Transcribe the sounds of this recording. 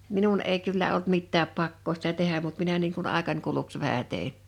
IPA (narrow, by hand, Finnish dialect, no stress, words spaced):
minun eˑi kylːæ olt mitːæːp pɑkːoː sĭtæ tehæm mut minæ niːŋ kun ɑˑekɑnʲ kuluks ʋæhæ teˑin̞